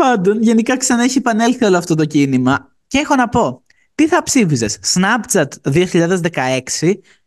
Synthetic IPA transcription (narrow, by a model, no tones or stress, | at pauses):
pɐnd̪o̞nʝe̞nikɐksɐnɐeçie̞pɐne̞lθio̞loɐft̪o̞t̪̬o̞cinimɐ | ce̞xo̞nɐpo̞ | t̪iθɐpsifize̞sːnɐpt͡sɐt̪ðioçiʎɐðe̞zðe̞kɐe̞ksi